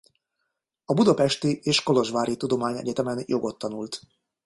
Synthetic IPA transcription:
ɒbud̪ɒpɛʃt̪ieːʃko̞lo̞ʒʋaːɾit̪ud̪o̞maːɲɛ̰ɟɛt̪ɛmɛnjʔo̞ɡo̞t̪ːɒnult̪

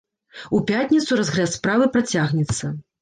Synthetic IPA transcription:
upʲat̪ʲnʲit̪suɾazɣɾʲɛspɾavɨpɾat͡sʲaɣnʲɛt̪sːɐ

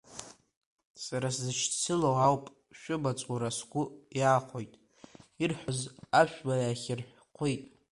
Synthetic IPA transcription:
saɾaszɨt͡ʃʰt͡sʰɨlowawpʼ | ʃᶣʊbat͡sʷʼuɾasɡʷʊjaːχʷojtʼ | irħʷᶣozaʃʷᶣbaaχʲɪrħʷᶣqʷʰijtʼ

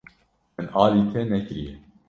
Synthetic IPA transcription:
mɨnɑːliːt̪ʰɛnɛkɾijɛ

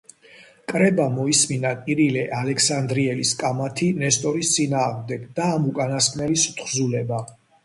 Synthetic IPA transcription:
kʼɾɛbamɔisminakʼiɾilɛʔalɛksand̪ɾiɛliskʼamat̪ʰinɛst̪ʼɔɾist̪sʼinaːʁmd̪ɛɡd̪aːmukʼanaskʰʼnɛlist̪ʰχzulɛba

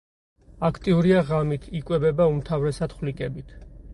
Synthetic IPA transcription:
akʰt̪ʼiuɾiaʁamit̪ʰikʼwɛbɛbaumt̪ʰavɾɛsad̪̥χlikʼɛbit̪ʰ

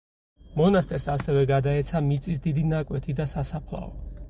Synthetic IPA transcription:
mɔnast̪ʼɛɾsasɛvɛɡad̪aɛt̪sʰamit̪sʼisd̪id̪inakʼwɛt̪ʰid̪asasapʰlˠa̰ɔ

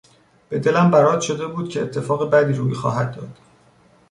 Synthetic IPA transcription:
b̥e̞d̪e̞læmbæɾɒːd̪̥ʃo̞d̪e̞buːd̪̥̚cʰe̞ːt̪ʰːe̞fɒːɣebæd̪iːɾuːixɒ̰ːɦæd̪̚ːɒːd̪̥

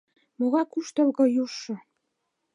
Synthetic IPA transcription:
moɣɑkuʃt̪ɤ̆lɣɤ̆juʃɤ̆

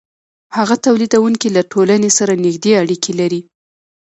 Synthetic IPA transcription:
haɣat̪awlid̪awuŋkilaʈʰolanesaɾanɪxd̪eaɽikʰelaɾi

